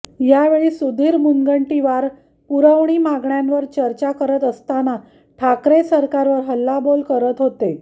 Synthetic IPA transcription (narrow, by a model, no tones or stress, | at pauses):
jaʋeɭiːsud̪ʱiːɾmuŋɡəɳʈiʋaɾ | puɾəʋɳiːmaɡɳjãnʋəɾt͡ɕəɾt͡ɕakəɾət̪əst̪ana | ʈʰakɾesəɾkaɾʋəɾɦəlːabolkəɾət̪ɦot̪e